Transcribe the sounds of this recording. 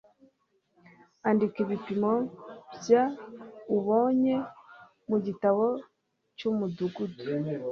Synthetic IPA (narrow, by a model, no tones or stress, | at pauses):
andikiβipimo̞bjauβo̞ɲe̞ | muɟitaβo̞ | cumuduɡudu̥